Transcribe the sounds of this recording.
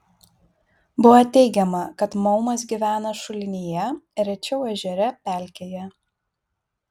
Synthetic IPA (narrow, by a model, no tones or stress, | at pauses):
bʊʋɐt̪ʲɛɪɡʲɛmɐkɐt̪mɔʊmɐsɡʲiʋʲæːnɐʃʊlʲɪnʲiːjɛɾʲɛt͡ʃʲɛʊɛʒʲɛɾʲɛpʲæˑlʲkʲeːjɛ